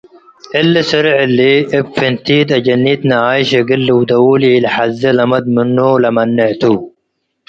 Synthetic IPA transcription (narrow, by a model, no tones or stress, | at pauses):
ɪlːɐsɐɾʕɪlːiɪbfɪnt̪iːd̪ɐd͡ʒɐnːiːt̪nɐaːjɕɐɡɪlːɪwd̪ɐwuːliːlħazːɐlɐmɐd̪̚mɪnːoːlɐmɐnːɪʕt̪u